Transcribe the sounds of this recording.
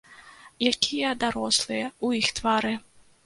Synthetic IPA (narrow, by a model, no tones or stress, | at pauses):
jakʲʰijɐd̪aɾɔslˠɨjɐuixt̪vaɾɨ